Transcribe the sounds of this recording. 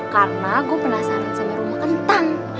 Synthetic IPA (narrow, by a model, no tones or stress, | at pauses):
karnaɡuapənasaɾansəməɾumakənt̪aŋ